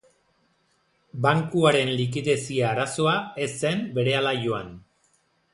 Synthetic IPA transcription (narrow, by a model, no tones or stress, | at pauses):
baŋkuaɾe̞nlik̬iðe̞siaːɾaso̞ae̞se̞mbe̞ɾe̞alaʝoan